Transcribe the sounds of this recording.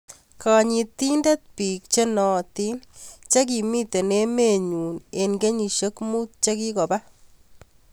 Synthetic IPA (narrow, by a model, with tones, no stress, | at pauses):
ka˨ɲi˧t̪i˦nda˦t̪̚piː˨k̚t͡ʃe˦nɔ˨t̪i˦nt͡ʃa˦k̬i˨mi˦t̪e˨ne˦me˨ɲuː˨ne˨nɡe˦ɲi˨ʃo˦kmuː˦t̪̚t͡ʃa˦ki˦kɔ˨ba˦